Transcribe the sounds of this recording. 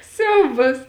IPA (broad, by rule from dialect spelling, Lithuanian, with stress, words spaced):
ˈsʲɛʊbɐs